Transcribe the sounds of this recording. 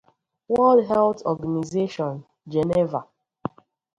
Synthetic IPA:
wɛ˦ldɦɛ˦ltɔ˨ɡa˨ni˨ze˦ʃɔ̃˨n | d͡ʒɛ˨nɛ˦va˨

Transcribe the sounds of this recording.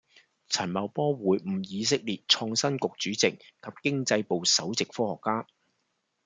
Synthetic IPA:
t͡sʰɐ˨˩nmɐ˨wpɔː˥wuː˨˥jm̩˨˩jiː˨˧s̬ɪ˥k̚liː˨t̚t͡ʃʰɔː˧ŋsɐ˥nkʊ˨k̚t͡ʃyː˨˥t͡sɪ˨kkʰɐ˨p̚kɪ˥ŋt͡sɐ˧jpo˨wsɐ˨˥wt͡sɪ˨k̚fɔː˥hɔː˨˩kːaː˥

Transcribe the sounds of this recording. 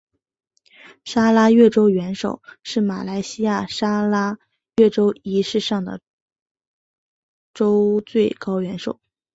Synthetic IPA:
ʂa˥la˥ɥɛ˥˩ʈ͡ʂo˥ʊɥɛ˧˥nʂo˨˩ʊʂɻ̩˥˩ma˨˩la˧˥ɪɕi˥ja˥˩ʂa˥la˥ | ɥɛ˥˩ʈ͡ʂo˥ʊi˧˥ʂɻ̩˥˧ʂɑ˥˩ŋd̪ə̰˩ | ʈ͡ʂo˥ʊt͡swe˥˩ɪkɑ˥ʊɥɛ˧˥nʂo˨˩˦ʊ

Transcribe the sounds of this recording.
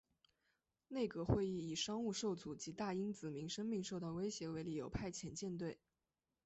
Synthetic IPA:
ne˥˩ɪkɤ˧˥xwe˥˧ɪi˥˩i˨˩ʂɑ˥ŋu˥˧ʂo˥˩ʊt͡su˨˩t͡ɕi˧˥t̪a˥˩i˥nt͡sɹ̩˨˩mi˧˥ŋʂə˥ŋmi˥˧ŋʂo˥˧ʊt̪ɑ˥˩ʊwe˥ɪɕjɛ˧˥we˧˥ɪli˨˩jo˨˩ʊpʰa˥˩ɪt͡ɕʰjɛ˧˥˦nt͡ɕjɛ˥˧nt̪we˥˩ɪ

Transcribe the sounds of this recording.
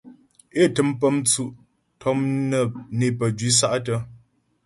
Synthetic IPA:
e˦˨tɨ˨˦mpə˦mt͡su˦ʔ | tʰɔ˦mnə˦˨ne˨pə˨d͡ʒɥi˨˦s̬a˦ʔtə˦

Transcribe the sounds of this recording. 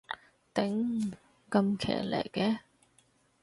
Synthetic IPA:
t̪ɪ˨˥ŋ | kɐ˧mkʰɛ̰ː˨˩lḛ˨˩jkɛː˧

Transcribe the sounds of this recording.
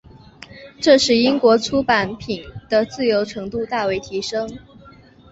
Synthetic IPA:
ʈ͡ʂɤ˥˧ʂɻ̩˥˩i˥ŋkwɔ˧˥t͡sʰu˥pa˨˥npʰi˨˩nd̪̥ə˦t͡sɹ̩˥˩jo˧˥ʊʈ͡ʂʰɤ˧˥ŋt̪u˥˧t̪a˥˩we˧˥ɪt̪ʰi˧˥ʂɤ˥ŋ

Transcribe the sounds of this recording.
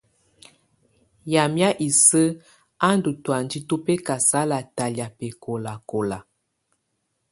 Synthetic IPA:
ja˨mja˦ʔi˨sə˦ | a˦n˦du˨twa˨n˦di˦to˦pɛ˦ka˨sa˦la˨ta˨lja˨pɛ˨ko˨la˨ko˨la˨

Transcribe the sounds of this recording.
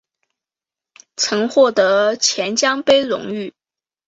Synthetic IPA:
t͡sʰɤ˧˥ŋxwɔ˥˩t̪ɤ˧˥t͡ɕʰjɛ˧˥nt͡ɕjɑ˥ŋpe˥ɪɻʊ̰˧˥˦ŋy˥˩

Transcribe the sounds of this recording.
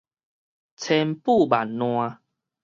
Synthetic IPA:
t͡sʰɛ˧mpu˥˦˨ba˨˩nːw̃ã˧

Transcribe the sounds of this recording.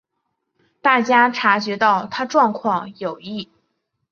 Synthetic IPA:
t̪a˥˩t͡ɕja˥ʈ͡ʂʰa˧˥t͡ɕɥɛ˧˥t̪ɑ˥˩ʊt̪ʰa˥ʈ͡ʂwɑ˥˧ŋkʰwɑ˥˩ŋjo˨˩ʊi˥˩

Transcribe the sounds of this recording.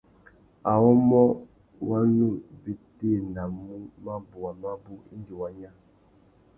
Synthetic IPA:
a˨wɔ˦mɔ˦ | wa˦nu˦˨be˨te˦˨na˨mu˦ma˦bu˨wa˨ma˦bu˦ḭ˦nɡi˨wa˦ɲa˦

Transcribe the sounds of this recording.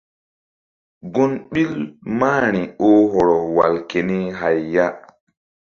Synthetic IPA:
ɡo˦nɓi˦lmaː˦ɾ̃i˨o˦ɦɔ˨ɾɔ˨wa̰˨lke˨ni˦ɦa˨jːa˦

